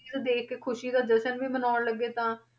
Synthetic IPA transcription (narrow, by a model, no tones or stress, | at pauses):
ad̪eːkʰekʰʊʃiːd̪aːd͡ʒ̪əsənʋiːmənaːnləɡːeːt̪ãː